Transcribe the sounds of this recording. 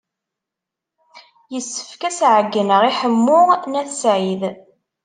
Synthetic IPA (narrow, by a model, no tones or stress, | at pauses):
jəsːə̥fkæsʕəɡːənəʁiħəmːʊʁnæθsʕið